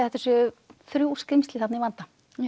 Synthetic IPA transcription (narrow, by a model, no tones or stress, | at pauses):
θɛht̪ːasʏʏθɾjuwskɾɪmst̪lɪθat̪nivant̪a